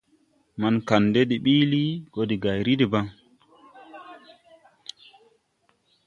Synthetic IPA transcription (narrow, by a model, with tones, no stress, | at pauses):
ma˨nka˨ndɛ˦ɗi˨ɓiː˦li˦ɡɔdi˨ɡa˨jɾi˦di˨ba˦ŋ